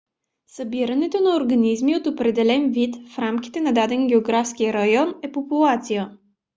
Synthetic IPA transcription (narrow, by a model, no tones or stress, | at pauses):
sɐbiɾɐnɛt̪onɐoɾɡɐnizmiot̪opɾɛd̪ɛlɛnvit̪fɾamk̟i̥t̪ɛnɐd̪ad̪ɛŋɡʲɛoɡɾafsk̟ijəɾɐjɔnɛpopulˠat̪sijə